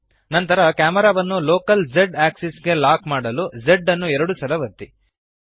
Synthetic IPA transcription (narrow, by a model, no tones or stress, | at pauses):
nɐnt̪ɐɾɐkaːmɐɾaːʋɐnːuloːkɐld͡ʒeɖaːksisɡe̞laːkmaːɽɐlud͡ʒeɖːɐnːuɛɾɐɽusɐlɐʋɐt̪ːi